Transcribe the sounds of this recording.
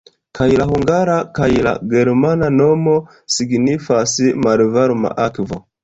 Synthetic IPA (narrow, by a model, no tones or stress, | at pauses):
kʰajlahuŋɡaɾakajla̰ɡeɾmananomo | siɡnifasimaɾvaɾma̰ʔakvo̰